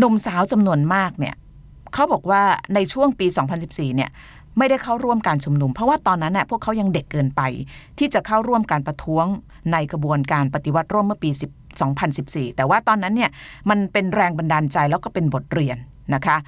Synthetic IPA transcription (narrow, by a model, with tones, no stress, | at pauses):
nu˧msaː˨˦˥wt͡ɕa˧mnu˧ənmaː˥˩k̚nḭ˥˩ə | kʰa˦˥wbɔː˨˩k̚waː˥˩na˧jt͡ɕʰu˥˩əŋpiː˧sɔː˩˦ŋpʰa˧nsi˨˩p̚siː˨˩ni˥˩ | ma˥˩jda˥˩jkʰa˥˩wɾu˥˩əmkaː˧nt͡ɕʰu˧mnu˧mpʰɾɔ˦˥waː˥˩t̪ɔː˧nːa˦˥nːa˨˩pʰu˥˩əkʰːa˦˥wja˧ŋde˨˩kːɤː˧npa˧jt̪ʰiː˥˩t͡ɕa˨˩kʰa˥˩wɾu˥˩əmkaː˧npɾa˧t̪ʰu˦˥əŋ | na˧jkʰɾa˧bu˧ənkaː˧npa˨˩t̪i˧˩wa˦˥t̪̚ɾu˥˩mɯ˥˩əpiː˧si˨˩p̚sɔː˩˦ŋpʰa˧nsi˨˩p̚siː˨˩t̪ɛː˨˩waː˥˩t̪ɔː˧nːa˦˥nːi˥˩əma˧npe˧nɾɛː˧ŋba˧ndaː˧nt͡ɕa˧jlɛː˦˥wkɔː˥˩pe˧nbo˨˩t̪̚ɾi˧˩ənːa˦˥kʰa˦˥ʔ